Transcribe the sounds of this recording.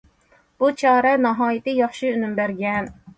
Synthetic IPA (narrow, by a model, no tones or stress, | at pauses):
b̥ut͡ʃʰɑːɾɛnɑɦɑːjɪt̪ɪjɑχʃiynymbæɾɡʲɛn